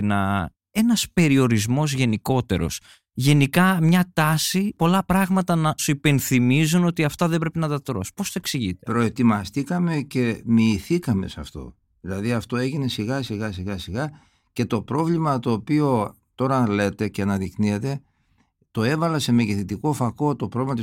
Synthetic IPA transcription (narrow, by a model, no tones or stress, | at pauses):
nɐ | e̞nɐspe̞ɾio̞ɾizmo̞zʝe̞niko̞t̪e̞̰ɾo̞̰s | ʝe̞nikɐmɲɐt̪ɐsipo̞lɐpɾɐɣmɐt̪ɐnɐsuipe̞nθimizuno̞t̪iɐft̪ɐðe̞bɾe̞pinɐt̪ɐt̪ɾo̞̰spo̞st̪oeksiʝit̪epɾo̞e̞t̪imɐst̪ikɐme̞ce̞miːθikɐme̞sɐft̪o̞̰ | ðilɐðiɐft̪o̞e̞ʝine̞siɣɐsiɣɐsiɣɐsiɣɐ | ce̞t̪o̞pɾo̞vlimɐt̪o̞ːpio̞ | t̪o̞ɾɐle̞t̪e̞ceɐnɐðikniet̪e̞ | t̪o̞e̞vɐlɐse̞meʝiθit̪ikofɐko̞t̪o̞pɾovlimɐt̪i